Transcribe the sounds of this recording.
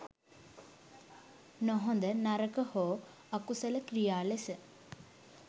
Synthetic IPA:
nɔɦond̪ɐnɐɾɐkɐhoː | ɐkusɐlɐkɾijaːlesɨ

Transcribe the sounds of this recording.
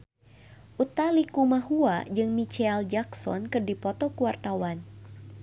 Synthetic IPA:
ʔut̪alikumaɦuad͡ʒɨŋmit͡ʃɛld͡ʒaksɔ̰nkɨrdipɔt̪ɔkuwart̪awan

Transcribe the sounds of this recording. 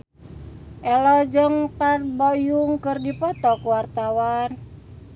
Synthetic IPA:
ʔɛlɔd͡ʒəŋt̪arbojuŋkɨrdipɔt̪ɔkuwart̪awan

